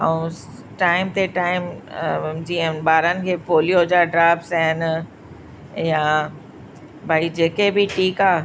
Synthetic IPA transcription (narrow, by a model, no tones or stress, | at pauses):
ə̃ũ | ʈaːɪmt̪eʈaːɪm | d͡ʑiːə̃nɓaːɾənɪ̆kʰeːpoːlijod͡ʑaɖɾaːbsɛɦɪn | jã | bʱaːid͡ʑeːkebɪʈʰiːkaː